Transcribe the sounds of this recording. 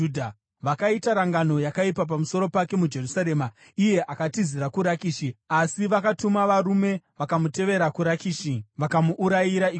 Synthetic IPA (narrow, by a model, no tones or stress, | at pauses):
dʱa | ʋakaitaɾaŋɡano̞jakaipap̬amuso̞ɾo̞pake̞mud͡ʒe̞rusaɾe̞ma | ije̞ʔakatiziɾakuɾakiːʃiasiʋakatumaʋaɾume̞ʋakamute̞ʋe̞ɾakuɾakiːʃiʋakamuʔːɾajiɾai